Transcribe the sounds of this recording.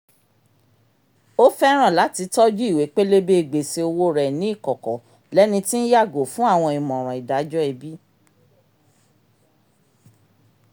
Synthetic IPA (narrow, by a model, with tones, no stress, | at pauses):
o˦fɛ˦ɾ̃ã˦˨la˨˦ti˧tɔ˦d͡ʒu˦i˦˨we˨˦k͡pe˦le˦be˦i˨ɡ͡be˨se˧o˧wo˦ɾɛ˨nĩ˦i˦˨kɔ˨kɔ˨ | lɛ˦nĩ˧ti˦n̩˦ja˦˨ɡo˨fũ˦a˦˨w̃ɔ̃˧i˨mɔ̃˨ɾ̃ã˨i˨da˨˦d͡ʒɔ˦ɛ˧bi˦